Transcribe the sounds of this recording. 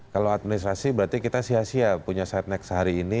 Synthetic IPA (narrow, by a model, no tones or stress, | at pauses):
kalowat̪̚minist̪ɾasibəɾart̪ikit̪asiasiapuɲasɛt̪̚nɛksəɦaɾiːni